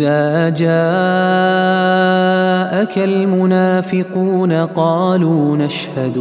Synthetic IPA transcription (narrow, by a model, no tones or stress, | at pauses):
aːʔd͡ʒaː | ʔakalmʊnaːfɪquːnaqɑːluːnaʃhad̪